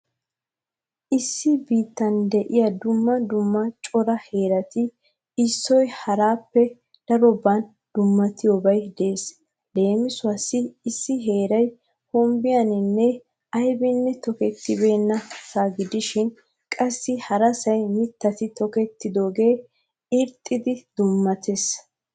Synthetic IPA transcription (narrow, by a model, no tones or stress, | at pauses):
ʔɪsːɪbiːt̪ːɐnd̪ɛʔɪjɐd̪ʊmːɐd̪ʊmːɐt͡ʃʼɔɾɐhe̞ːɾɐt̪ɪ | ɪsːɔjhɐɾaːpːɛ | d̪̥ɐɾɔban | d̪̥ʊmːɐt̪ɪjobɐjd̪e̞ːs | le̞ːmɪsʊɐsːɪɪsːɪɦe̞ːɾɐj | hɔmbɪjɐnɪnːɛ | ɐjbɪnːɛt̪ɔkɛt̪ːɪbe̞ːnːɐsaɡɪd̪ɪʃɪn | kʼɐsːɪhɐɾɐsɐjmɪt̪ːɐt̪ɪt̪ɔkɛt̪ːɪd̪o̞ːɡe̞ː | ɪɾt̪ʼːɪd̪ɪd̪̥ʊmːɐt̪ʰes